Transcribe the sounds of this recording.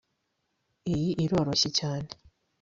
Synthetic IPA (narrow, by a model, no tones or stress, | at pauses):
ejiʔiɾo̞ːɾoɕecaːne